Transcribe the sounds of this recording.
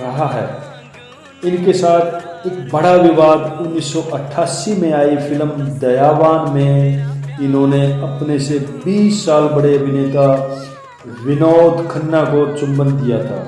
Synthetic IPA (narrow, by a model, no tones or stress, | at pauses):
kɐɦaɦɛ̰ː | ɪnkesaːt̪ʰeːk̚bɐɽaʋɪʋaːd̪ʊnːiːsːɔʔɐʈʰːaːsimẽaːifɪlmd̪ɐjaːʋaːnmẽɪnɦõːneɐpnesebiːsːaːlbɐɽeɐbʱɪneːt̪a | ʋɪnoːd̪kʰənːakot͡ʃʊ̃mbənd̪ijat̪ʰa̰ː